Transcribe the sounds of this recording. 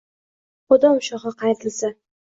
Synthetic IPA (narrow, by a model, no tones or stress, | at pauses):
χʊd̪ɒʊʃɒʁɑqʰɑjt̪ʰɪlsa